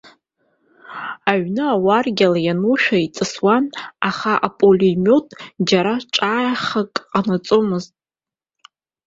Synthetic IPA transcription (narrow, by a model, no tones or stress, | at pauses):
aɥnɨawarɡʲalajanuʃᶣait͡sʼɨswanaχaʔapʼolimʲo̞tʼd͡ʒaɾaʈ͡ʂʼaːjaχakʼqʼanat͡sʼomɨztʼ